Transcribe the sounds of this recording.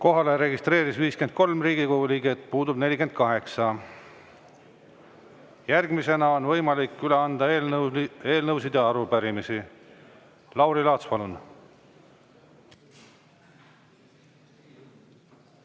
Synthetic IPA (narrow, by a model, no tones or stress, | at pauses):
ko̞ɦɑle̞ɾe̞ɡist̪ɾe̞ːɾisviːske̞nd̪̚ko̞lmriːɡikoɡuliːɡet̪puːd̪ubne̞lʲikend̪̥̚kɑɦe̞ksɑ | jærɡmise̞nɑo̞nvɤ̞jmɑlikːyleɑnd̪̥ɑ | e̞ːlnɤws̬id̪ɑɑɾupæɾimisi | lɑwɾilɑːt̪spɑlun